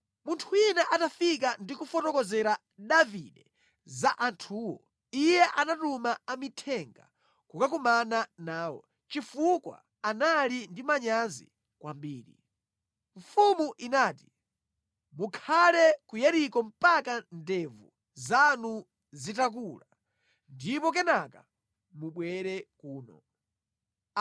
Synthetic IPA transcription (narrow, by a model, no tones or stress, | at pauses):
muntʰuinɛʔatafik̬andikufɔtɔkɔzɛɾa | ɗavḭɗɛ | zaʔantʰuːwɔ̰ | ijɛʔanatumaamitʰɛŋɡa̰ | kukak̬umananaːwɔ̰ | t͡ʃifukwa̰ | analindimaɲanzḭ | kwambiːɾḭ | ɱfumuʔinaːti̥ | mukʰalɛkujaɾikɔm̩pakandɛvṵ | zanu | zitak̬uːla | ndipɔk̬ɛnaka | muɓwɛɾɛkuːnɔ̰